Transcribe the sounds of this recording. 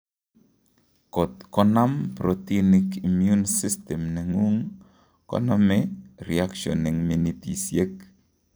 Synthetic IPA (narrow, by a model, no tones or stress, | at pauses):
kɔt̚kɔnampɾɔtinikimjunsistɛmnɛŋuŋ | kɔ̰namɛɾḭakʃɔ̰nɪŋminitḭsjek̚